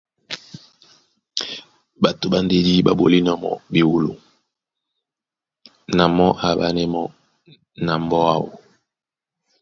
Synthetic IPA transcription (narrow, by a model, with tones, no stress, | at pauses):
ba˨to˨ba˨nde˦di˦ba̰˨bo̰˨li˦nɔ˨mɔ̰˨bi˨wu˨lo̰˨ | na˨mɔ˦ʔa˨ba˨nɛ˦mɔ˦ | na˨mbɔ˦a˦wo̰˨